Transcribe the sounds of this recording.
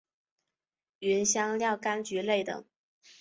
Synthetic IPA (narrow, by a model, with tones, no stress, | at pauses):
y˧˥nɕjɑ˥ŋljɑ˥˩ʊka˥nt͡ɕy˧˥le˥˩ɪt̪ɤ̰˨˩˦ŋ